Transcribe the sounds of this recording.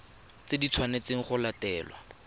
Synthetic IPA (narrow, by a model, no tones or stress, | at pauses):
t͡sedit͡sʰwanet͡seŋ̩χʊlatɛːlwa̰